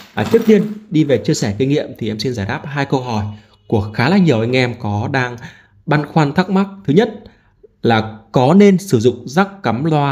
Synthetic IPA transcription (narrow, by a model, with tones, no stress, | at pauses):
ʔːt͡ɕi˦˥ək̚t̪i˧ənɗi˧ve˨˩t͡ɕi˧əsɛ˧˩ki˧ŋ̟ŋḭ˧˨əmt̪ʰi˨˩ʔɛ˧msi˧nzaː˧˩jɗaː˦˥p̚ɦaː˧jkə˧wɦɔ˧˩j | ku˧˩əkxaː˨˦laː˧˩ŋɲi˨˩əwʔa˧jŋ̟ʔɛ˧mkɔ˨˦ɗaː˧ŋ | ɓa˧nxwaː˧nt̪ʰa˦˥k̚ma˦˥k̚t̪ʰɨ˨˦ɲə˦˥t̚ | laː˨˩kɔ˨˦ne˧nsɨ˧˩zʊ̰˧˨ŋ͡mzaː˦˥k̚ːa˨˦mlwaː˧